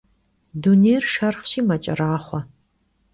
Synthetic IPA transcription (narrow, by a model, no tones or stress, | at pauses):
dunejrʃɐrχɕiːmɐt͡ʃʼɐ̰raːχʷɔ